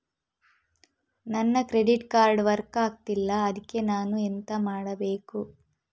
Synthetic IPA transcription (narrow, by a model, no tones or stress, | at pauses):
nɐnːɐkɾe̞ɖiʈkaːɾɖʋɐɾkaːk̚t̪ilːɐːd̪ikːe̞naːnuent̪ɐmaːɽɐbeːku